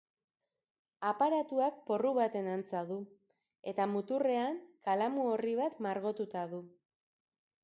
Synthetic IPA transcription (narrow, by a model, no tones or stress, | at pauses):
apaɾat̪uak̚po̞ruβat̪e̞nant͡saðu | e̞t̪amut̪ure̞aŋkalamuoriβ̞at̪maɾɣo̞t̪ut̪aðu